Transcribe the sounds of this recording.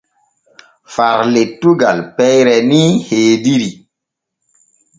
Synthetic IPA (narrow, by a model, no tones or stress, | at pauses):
faɾletːuɡalpɛjɾɛniheːdiɾi